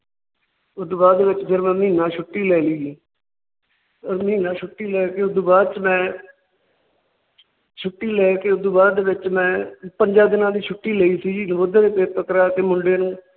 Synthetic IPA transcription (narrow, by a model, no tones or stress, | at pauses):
ʊd̪ubaːdd̪eːʋɪt͡ʃd͡ʒəɾmɛ̃ːmiːnãːʃʰʊʈːiːlɛːliːiː | ɔːɾmĩːnãːʃʰʊʈːiːlɛːkeːʊd̪uːbaːd̪t͡ʃmɛ̃ː | t͡ʃʰʊʈːiːlɛːkeːʊd̪uːbaːd̪d̪eːʋɪt͡ʃmɛ̃ːpəɲd͡ʒaːd̪ɪnãːd̪iːt͡ʃʰʊʈːiːləiːsiːd͡ʒiːnəboːd̪aːd̪eːpeːɾpəkɾaːt̪eːmʊɳɖeːnũː